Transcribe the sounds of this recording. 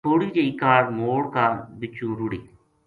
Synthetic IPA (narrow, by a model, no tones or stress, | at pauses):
oːɽiːd͡ʒeiːkaːɾmoːɽkaːbɪt͡ʃːũːɾʊɽiː